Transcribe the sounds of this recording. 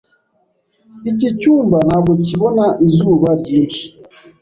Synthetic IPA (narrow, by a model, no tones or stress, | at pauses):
icicuːmbanaːɡociβonaʔizuːβaɾjiːnʃi̥